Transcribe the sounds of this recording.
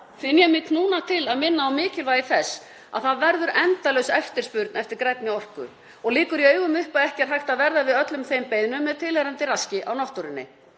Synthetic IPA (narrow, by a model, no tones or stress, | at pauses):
fɪnjɛmɪknuːnat̪ʰɪlaðmɪnːaːwmɪːcɪlvaːjɪθɛsː | a̰ðθaðvɛɾðʏɾɛnt̪alœwsɛft̪ɪɾ̥spʏɾt̪nɛft̪ɪɾkɾɛt̪nɪɔr̥kʏ̰ | ɔɣliːkʏɾiœːɥɣʏmʏhpaðɛhcɛɾ̥ɦajxt̪aðvɛɾðavɪðœt̪lʏmθejmpejðnʏmːɛðt̪ʰɪlɛɾamt̪ɪɾascɪʔawnɔht̪uɾɪnːɪ̰